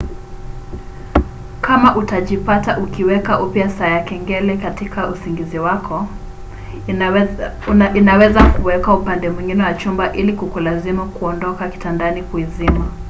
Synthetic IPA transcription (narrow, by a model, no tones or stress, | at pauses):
kamaʔutaʄipataʔukiwɛkaʔupjasaːjakɛŋɡɛlɛkatikaʔusiŋɡiziwakʰɔ | inawɛzakuwɛkaupandɛmwiŋɡinɛwat͡ʃumbaʔilikukulazimukuɔndɔkaki̥tandanikuizima